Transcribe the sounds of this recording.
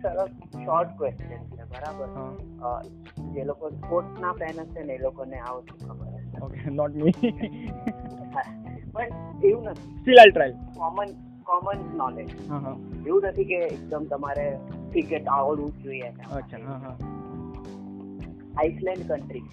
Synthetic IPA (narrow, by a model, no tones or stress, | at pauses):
səɾəs | ʃɔɾʈkʋesʈijənsʰɛbəɾabəɾɦã̰ | d͡ʒelokospoʈnapɛnəseneelokoneaʋot͡ʃũkʰəbə̰ɾəseokenɔʈmi | pəɳeɦũnət̪ʰisʈilalʈɾajlkɔmən | kɔmənsnɔled͡ʒɦãɦãeɦũnət̪ʰikeːk̚d̪əmt̪ɐmaɾeʈikeʈaʋəɽũkoienaɐːʃʰaɦãɦã | aislɛ̃ɳɖkəɳʈɾi